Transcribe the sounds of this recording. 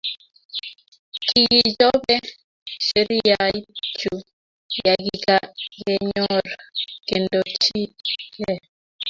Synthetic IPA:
ki˨ɣi˨d͡ʒɔ˦bɛ˦ | ʃe˨ɾi˦ja˨i˦t͡ʃu˨ | ja˨ɡi˨ka˦˨kɛ˨ɲɔ˦ɾke˨ndɔ˨t͡ʃi˦kɛ˦˨

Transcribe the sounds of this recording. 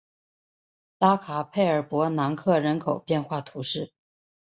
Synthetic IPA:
t̪a˥kʰa˨˩pʰe˥˩ɪə˞˨˩pwɔ˧˥na˧˥ŋkʰɤ˥˩ɻə˧˥nkʰo˨˩ʊpjɛ˥˧nxwa˥˩t̪ʰu˧˥ʂɻ̩˥˩

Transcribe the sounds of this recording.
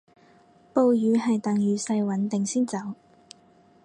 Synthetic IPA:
po˨˧wjyː˨˧ɦɐ˨jt̪ɐ˨ŋjyː˨˥sɐ˧jwɐ˨˥nt̪ɪ˨ŋsiː˥nt͡sɐ˨˧˥w

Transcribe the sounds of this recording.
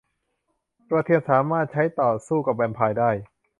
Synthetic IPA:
pɾa˧t̪ʰeː˥˩t̪̚saː˩˦maː˥˩t̪̚t͡ɕʰa˦˥jt̪ɔː˨˩suː˥˩ka˨˩p̚wɛː˧npʰaː˧jdaː˥˩j

